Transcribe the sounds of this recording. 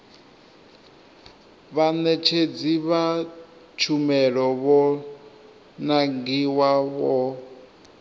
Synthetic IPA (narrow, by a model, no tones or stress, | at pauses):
βanɛt͡ʃʰed͡ziβa | t͡ʃʰumɛɺɔβɔ | naŋɡiwaβɔ